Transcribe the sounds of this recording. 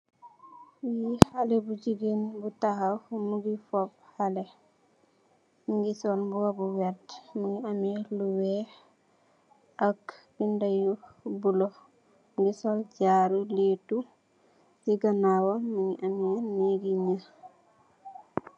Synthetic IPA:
jihalɛbuɟiɡenbutahamuɡifɔp̚halɛ | ŋɡisɔlbuwabuwɛɾtmuŋiʔamɛluwɛh | ʔɐkɡindajubulɔ | ɡisɔlɟaɾuletu | siɡanawamuŋiʔamɛneɡiɲa

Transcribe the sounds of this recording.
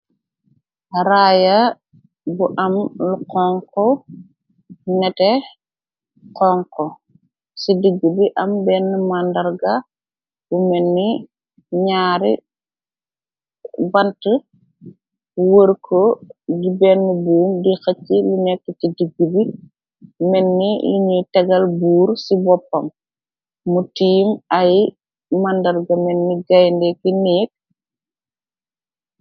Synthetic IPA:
ɾaːja | buʔɐmluqɔŋkɔ | nɛtɛ | qɔŋkɔ | sidiɡːubiʔɐmbɛnːumandɐɾɡa | bumɛnːi | ɲaːɾi | bɐntə | wəɾkʰoɡibɛnːibuːmdixɐt͡ʃːilunɛkːɛtidiɡubi | mɛnːiliɲutɛɡɐlbuːɾsibɔpːɐmː | utiːmɐj | mandɐɾɡɐmɛnːiɡɐjndɛkinɛːk̚

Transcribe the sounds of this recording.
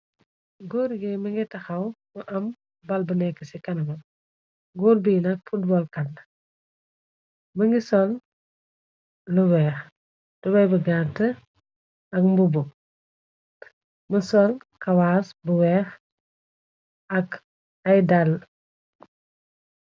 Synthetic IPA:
ɡoːɾɡɛməŋɡitɐxɐwməʔɐm | bɐlbənɛkːəsikɐnɐmɐ | ɡoːɾbinɐk̚fut̚bɔlkɐn | məŋɡisɔl | əwɛːx | tɔbɐjbəɡantə | ɐkmbubu | məsɔl | kɐwaːsbəwɛːx | ɐk | ɐjdal

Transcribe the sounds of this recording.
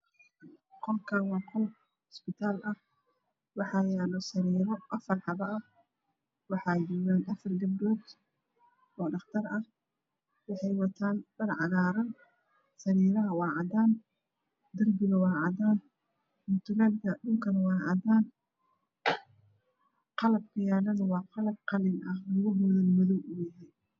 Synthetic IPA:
qɔlkʰɐwɑːqʰɔl | ɪspɪt̪ʰaːlʔɐh | wɑħɑːjaːlɔsɐɾiːɾɔʔɐfɐrħɑβɐɐh | wɑħɑːd͡ʒuwanɐfɐrɡɐbɾɔːd̪ | ɔːɖɑχt̪ʰɐrɐh | wɑħɑjwɑt̪ʰaːnb̥ɐrʕɑɣaːɾɐn | sɐɾiːɾɐɦɐwɑːʕɑd̪aːn | d̪ɐrbɪɣɐwɑːʕɑd̪aːn | mʊt̪ʰʊlalkʰɐɗʊŋkʰɐnwɑːʕɑ̰d̪aːn | qɑlɐb̚kʰɐjaːlɐnɐwɑːqɑlɐb̚qɑlɪnʔɐhlʊɣʊmʊðɔlmʊðɔwʊjɪɦɛːn

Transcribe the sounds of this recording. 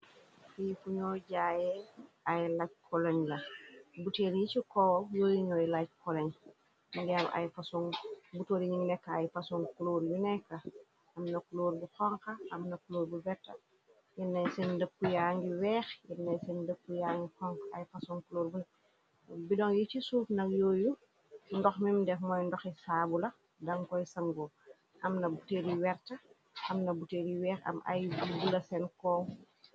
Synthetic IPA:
fijifuɲɔːɟaːjɛ | ɐjlac̚kʰɔlɐɲlɐbuteːɾjit͡ʃikɔjoːjiɲɔːjlac̚kɔlɐɲ | ndɛmɐ̰jfɐsuŋbutoːɾiɲiŋnɛkːɐɐjfɐsuŋkuloːɾjunɛkːɐ | ɐmnɐkuloːɾbuxɔŋkɐɐmnɐkuloːɾbubɛtːɐ̰ | jɛnːɐjsɛndəpːujaːŋɡiwɛːxjɛnːɐjsɛndəpːujaːŋɡixɔŋkɐɐ̰jfɐsɔnkuloːɾbunɛ | bidɔŋjit͡ʃisuːfnɐk̚jɔːju | ndɔxmimdɛfmɔːjndɔxisaːbulɐ | dɐŋkɔjsɐmɡɔ | ʔɐmnɐbuteːɾiwɛrtɐ | ɐmnɐbuteːɾiwɛːxɐ̰mɐ̰jbubulɐsɛnkɔː

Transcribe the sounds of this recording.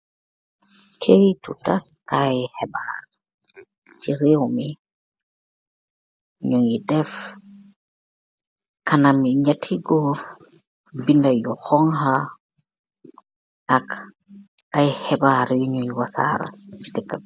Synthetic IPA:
kʰeɾitṵtaskajhɛbaɾ | t͡ʃiɾewmi | ɲuŋidɛf | kɐnamiɲatʰiɡɔ | bindajɔxɔŋhɐ | ʔak | ajhɛbaɾɲuŋiwasa̰ɾɐ̰t͡ʃidɛkːa

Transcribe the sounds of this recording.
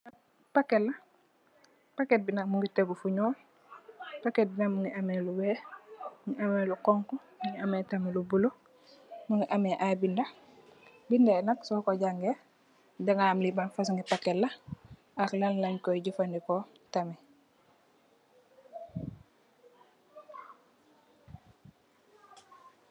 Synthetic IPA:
pakelːɐ | paket̚binak̚muŋɡiteɡufuɲɔːl | paket̚binakmuŋiʔamɛluwɛːmuŋiʔamelukɔŋkɔmuŋiameːtamilubulo | muŋɡiʔamɛʔabinda | bindɛnaksɔːkoɟaŋɡe | deŋaːmlibanfasŋɡipaketlɐ | aklanlaɲkɔɟufandikɔ | tamɛ

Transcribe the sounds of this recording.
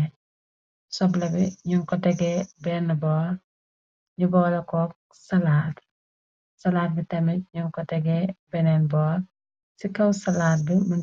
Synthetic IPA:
sɔblɐbiɲuŋkɔtɛɡɛːbɛnːbɔː | ɲubɔːlɐkɔːk̚ | sɐlaːt | sɐlaːt̚bitɐmiɲuŋkɔtɛɡɛːbɛnɛnbɔː | sikɐwsɐlaːt̚bimɐn

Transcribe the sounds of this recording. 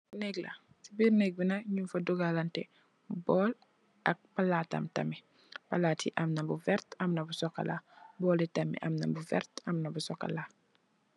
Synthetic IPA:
nɛɡlɐ̰ | sibiːɾnɛɡ̚binɐɲunfɐduɡalantɛ | bɔːl | ʔɐk̚palaːtɐ̰mtɐ̰mːi | palaːtḭʔɐmnɐbuvɛɾtɐmnɐbusɔkːɐ̰labɔːlitɐmːḭʔɐmnɐ̰mbuvɛ̰rtɐmnɐbusɔkːɐ̰la

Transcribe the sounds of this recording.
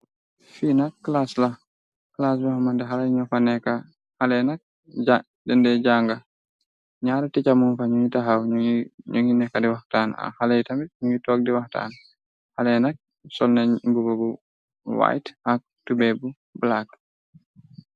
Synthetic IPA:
finakːlasla | klas̬bahmandɛɦalajɲɔfanɛka | halɛnak̚ | a | dɛndɛd͡ʒaŋɡa | ɲaːɾɛtit͡ʃamunfaɲuŋitaɦawɲoŋɡinɛkːadiwahtana̰halajitambiɲuŋitɔk̚diwahta̰n | halɛnak̚ | sɔlnɛbuɡoɡu | wa̰jthak̚tubɛbu | blak̚

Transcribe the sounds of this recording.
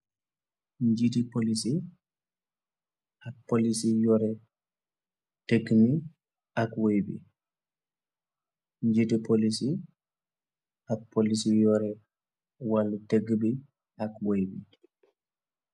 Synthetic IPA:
ɲd͡ʒitipolisi | ʔapːolisijɔɾɛ | teɡmi | ʔakwojbḭ | ɲd͡ʒitipolisi | ʔakpolisijɔɾɛ | walːateɡːbi | ʔakwojbi

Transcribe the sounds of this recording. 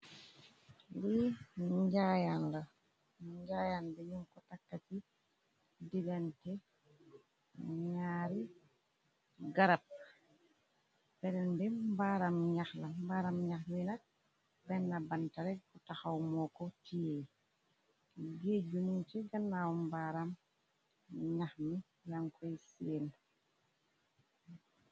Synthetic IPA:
li | ɟajanlɐ | ɲɟajanbiɲuŋkɔtakːati | diɡɛntɛ | ɲaːɾi | ɡaɾap̚ | bɛɾɛnbimbaɾamɲaxlambaɾamɲaxminak̚ | bɛnːabantaɾɛkutaxawmɔkɔtije | ɡeɟunint͡ʃiɡanːawmbaɾam | ɲaxmi | jaŋkʰɔjseːn

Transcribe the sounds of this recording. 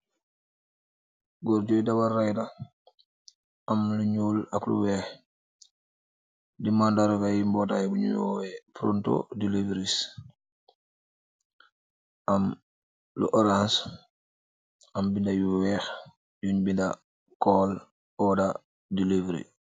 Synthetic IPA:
ɡɔɾɟojdawarːajda | amluɲuːlaklṵwɛːx | dimandaɾoɡajimbɔtajbuɲṵjowɛfɾonto̰dilivɾis | ʔam | lṵʔoɾans | ambindajuwɛːx | juɲbinda | kɔːl | ɔːda | dilivɾḭ

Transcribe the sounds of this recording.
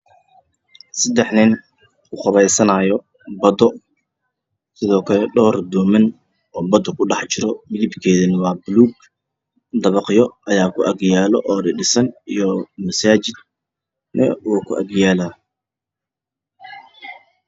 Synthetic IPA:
sɐd̪ɛħnɪn | kʰʊχʊβɛjsɐnaːjɔ | bɐd̪ɔ | sɪðɔːkʰɐlɛɖɔːrd̪ɔːmɐn | ɔːbɐd̪ɔkʰʊɖɑħt͡ʃɪɾɔmɪðɪbkʰɛːðɐnɪwɑːbʊluːɡ̚ | d̪ɐβɑqjɔʔɐjaːkʰʊʔɐɡjaːlɔʔɔːdɪɖɪsɐnijɔmɐsaːt͡ʃɪd̪̚ | nɐuːkʰʊʔɐɡjaːlaː

